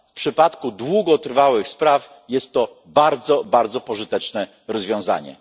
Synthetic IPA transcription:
fpʂɘpat̪kud̪wuɡɔt̪ɾvawɘxspɾaf | jɛst̪ːɔ | baɾd̪zɔbaɾd̪zɔpɔʐɘt̪ɛt͡ʂnɛ | ɾɔzvʲjɔ̃za̰ɲɛ̰

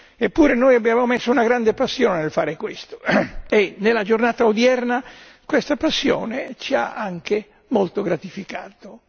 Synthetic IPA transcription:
epːuːɾenoːjabjaːvamomesːounaɡɾand̪epasːjɔːnenelfaːɾekwest̪o̥enelːad͡ʒornaːt̪aod̪jɛrna | kwest̪apasːjɔ̰ːnet͡ʃia̰aŋke | molt̪oɡɾat̪ifikaːt̪o

